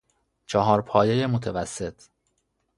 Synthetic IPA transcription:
t͡ʃʰɒɦɒːɾpʰɒːjejemot̪ʰevæsːe̞t̪ʰ

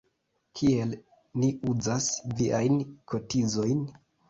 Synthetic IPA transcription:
kʰie̞l | niuzasviʔajnkʰo̞tizo̞jn

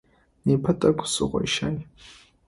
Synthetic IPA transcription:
nepʰɐtʼɐɡʷʰʼsɨ̰ʁʷɐ̰jʃaj

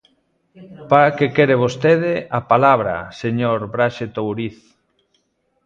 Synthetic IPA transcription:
paɾakekeɾeβ̞ost̪eð̞ɪapalaβɾɐ̰seɲoɾbɾaʃet̪owɾiθ

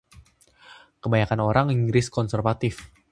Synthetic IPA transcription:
kəbaɲakanoɾaŋiŋɡɾɪskɔnsɛrvat̪ɪf

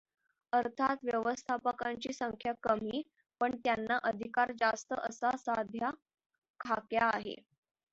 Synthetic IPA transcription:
əɾt̪ʰat̪ʋjəʋəst̪ʰapəkaɲt͡ɕiːsəŋkʰjakəmiː | pəɳt̪janːaʔəd̪ʱikaɾd͡zast̪əʔəsasad̪ʱja | kʰakjaːɦḛ

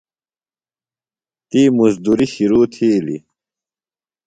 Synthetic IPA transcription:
t̪iːmuzd̪uɾiɕiɾuːt̪ʰiːlḭ

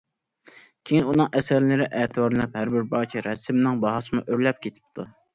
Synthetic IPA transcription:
kʲʰejinunɨŋʔɛsæɾlɪɾɪʔɛːt̪ʰɨbɑɾlɛphæɾbɪɾbɑːt͡ʃʰiɾɛsɪmnɪŋbɑɦɑsɨmuʔøɾlɛp̚kʲʰet̪ʰɪ̥p̚t̪ʰu

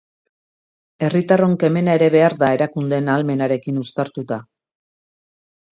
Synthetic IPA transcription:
e̞rit̪aro̞ŋke̞me̞nae̞ɾe̞βe̞aɾðae̞ɾakund̪e̞nalme̞naɾe̞kinust̪aɾt̪ut̪a

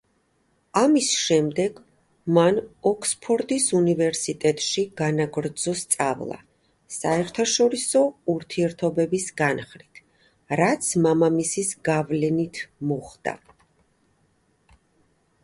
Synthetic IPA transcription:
amisʃɛmd̪ɛɡ̥ | manɔkʰspʰɔɾt̪ʼisunivɛɾsit̪ʼɛt̪ʼʃiɡ̥anaɡɾd̪z̥ɔst̪sʼa̰vlˠa̰ | saɛɾt̪ʰaʃɔɾisɔuɾt̪ʰiɛɾt̪ʰɔbɛbisɡanχɾit̪ʰ | ɾat̪sʰmamamisisɡavlɛnit̪ʰmɔχd̪̥a̰

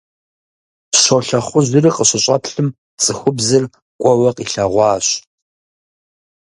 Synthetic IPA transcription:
ʃʷoɬɐχʷʊʑɨriqəɕɪɕʼɐpʰɬɨm | t͡sʼɨxʷʊbzɨr | kʷʼɔwɐqiɬaʁʷɑːɕ

